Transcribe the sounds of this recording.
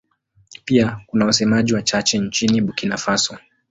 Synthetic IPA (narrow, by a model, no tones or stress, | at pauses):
piakunawasɛmaʄiwat͡ʃat͡ʃɛnt͡ʃiniɓukinafasɔ